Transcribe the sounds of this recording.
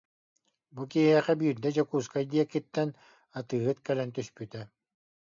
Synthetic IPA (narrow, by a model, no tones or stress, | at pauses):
bukiɦɛχɛbiːɾd̪ɛd͡ʑɔkuːskad̪iɛkːit̪ːɛn | at̪ɯːɦɯt̪kɛlɛnt̪yspyt̪ɛ